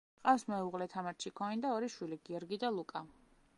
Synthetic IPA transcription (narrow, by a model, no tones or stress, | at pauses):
qʼafsmɛuʁlɛt̪ʰamaɾt͡ʃʰikʰɔnind̪aɔɾiʃwiliɡ̥iɔɾɡid̪alˠukʼa